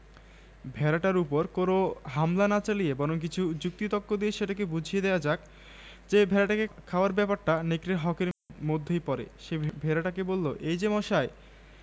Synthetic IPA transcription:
bʱɛɾaʈaɾupoɾkonoɦamlanat͡ɕalijebɔɾoŋk̬it͡ɕʰud͡ʑuk̚t̪it̪ɔkːod̪ieʃeʈak̬ebud͡ʑʱijed̪ɛoad͡ʑak̚ | d͡ʑebʱɛɾaʈakekʰaoaɾbɛpaɾʈanekɾeɾɦɔkeɾmod̪ʱːejpɔɾḛʃebʱɛɾaʈakebolːo̰ʔejd͡ʑemɔʃae

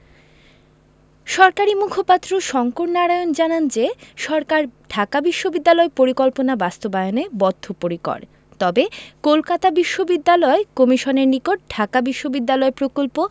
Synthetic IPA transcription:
ʃɔɾkaɾimukʰopat̪ːɾoʃɔŋkoɾnaɾaeond͡ʑanand͡ʑeʃɔɾkaɾɖʱakabiʃːobid̪ːalɔepoɾikɔlponabast̪obajonebɔd̪ʱːopoɾikɔ̰ɽ | t̪ɔbekolkat̪abiʃːobid̪ːalɔekɔmiʃoneɾnikoʈ̚ɖʱakabiʃːobid̪ːalɔepɾokolpo

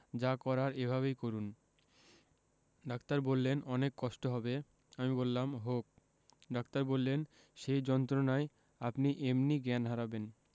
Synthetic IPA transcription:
d͡ʑakɔɾaɾebʱaβejkoɾun | ɖakt̪aɾbolːenɔnekːɔʃʈoɦɔbe | amibolːamɦok̚ | ɖak̚t̪aɾbolːen | ʃejd͡ʑɔnt̪ɾonae | apniʔemniɡɛnɦaɾaben

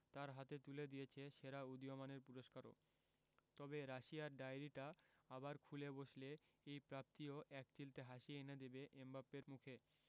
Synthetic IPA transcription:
t̪aɾɦat̪et̪uled̪ijet͡ɕʰeʃeɾaud̪ijomaneɾpuɾoʃkaɾo̰ | t̪ɔbeɾaʃiaɾɖajɾiʈa | abaɾkʰuleboʃle | ejpɾap̚t̪ioʔɛk̚t͡ɕilt̪eɦaʃieened̪ebeʔembapeɾmukʰe

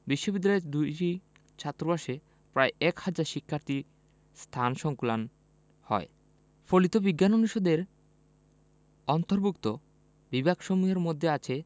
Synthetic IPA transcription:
biʃːobid̪ːaed̪uʈi | t͡ɕʰat̪ːɾobaʃe | pɾaeʔɛkhad͡ʑaɾʃikʰːaɾt̪i | st̪ʰanʃɔŋkulan | hɔ̰ḛ | folit̪obiɡːanoniʃod̪eɾ | ɔnt̪oɾbʱukt̪o | bibakʃomuɦeɾmod̪ʱːeat͡ɕʰe

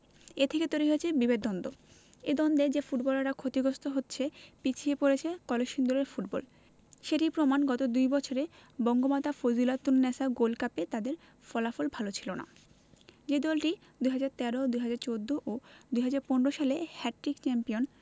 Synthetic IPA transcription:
et̪ʰeket̪oeɾiɦoet͡ɕʰebibed̪̚ɔnd̪o | ed̪ɔnd̪ed͡ʑefuʈbɔlaɾakʰot̪iɡost̪oɦotːɕʰepit͡ɕʰiepoɾet͡ɕʰekɔleʃind̪ɔleɾfuʈbɔ̰l | ʃeʈipɾomanɡɔt̪od̪ujbɔt͡ɕʰoɾebɔŋɡobat̪afod͡ʑilat̪unːɛsaɡolkapet̪ad̪eɾ | fɔlafolbʱalot͡ɕʰilona̰ | d͡ʑed̪ɔlʈi | d̪ujɦad͡ʑaɾt̪ɛɾod̪ujɦad͡ʑaɾt͡ɕod̪ʱːoʔod̪ujɦad͡ʑaɾponɾoʃalehɛʈːɾikt͡ɕɛmpion

